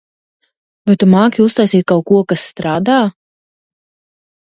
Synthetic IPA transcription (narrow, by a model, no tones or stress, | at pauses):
vajt̪umaːkʲiust̪ajsiːt̪̚kawkuɔkasːt̪ɾaːd̪aː